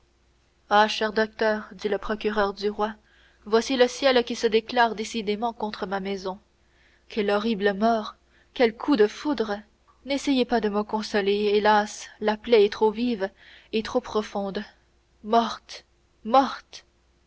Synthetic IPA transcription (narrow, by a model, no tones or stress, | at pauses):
aʃɛʁd̪ɔk̚t̪œːʁd̪iləpχɔkʲyʁœʁd̪yʁwa | vwasiləsjɛlkʲisəd̪eklaːʁd̪esid̪emɑ̃kɔ̃t̪χəmamɛzɔ̃ | kʰʲɛlɔʁibləmɔːʁ | kʲɛlkʰud̪əfud̪ʁə | nesɛjepad̪əməkɔ̃sɔleelaslaplɛɛt̪χoviv | et̪χopχɔfɔ̃d̪ | mɔʁt̪ | mɔt̪